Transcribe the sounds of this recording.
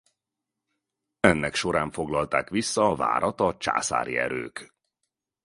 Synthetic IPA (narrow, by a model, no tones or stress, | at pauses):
ɛnːɛkʃo̞ɾaːɱfo̞ɡlɒlt̪aːkʋisːɒːva̰ːɾɒt̪ɒt͡ʃa̰ːsa̰ːɾḭɛ̰ɾøːk